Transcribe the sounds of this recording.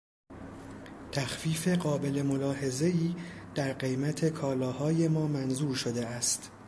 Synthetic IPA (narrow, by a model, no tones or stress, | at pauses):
t̪ʰæxfiːfe̞ɢɒːbe̞le̞mo̞lɒːhe̞ze̞iːd̪̥æɾɢe̞jmæt̪ʰe̞kʰɒːlɒːhɒːje̞mɒːmænzuːɾʃo̞d̪e̞æst̪